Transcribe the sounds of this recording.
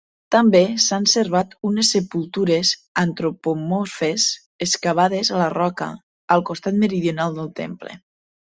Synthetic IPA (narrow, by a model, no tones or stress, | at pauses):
t̪ambesanseɾβat̪unesːepulˠt̪uɾezant̪ɾopomofes | eskaβ̞aðezalərɔkə̰ː | lˠkost̪at̪məɾiðjonalˠd̪əlˠt̪ḛmplḛ